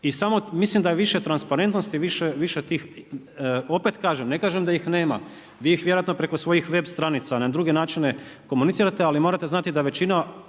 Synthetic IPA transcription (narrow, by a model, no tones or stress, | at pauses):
isamo̞mislimd̪ajeʋiʃe̞t̪ɾanspaɾe̞nt̪no̞st̪iʋiʃeʋiʃet̪iːx | o̞pet̪kaːʒemne̞kaːʒemd̪ajixneːma̰ | ʋiːixʋjeojat̪nopɾe̞kosʋo̞jixʋe̞bst̪ɾanit̪sanad̪ɾuɡe̞naːt͡ʃine̞ko̞munit̪siːɾat̪ealimo̞ɾat̪e̞znat̪id̪aʋe̞t͡ɕina